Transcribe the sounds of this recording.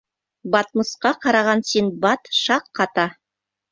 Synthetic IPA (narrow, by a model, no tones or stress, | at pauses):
bɑt̪̚mɤ̆sqɑqɑɾɑʁɑnsinbɑt̪ʃɑqːɑt̪ɑ